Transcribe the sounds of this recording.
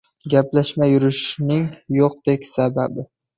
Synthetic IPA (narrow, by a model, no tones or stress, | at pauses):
ɡʲaplaʃmajʊɾɪʃnɪŋjoq̚d̪̥ekʲsababɪ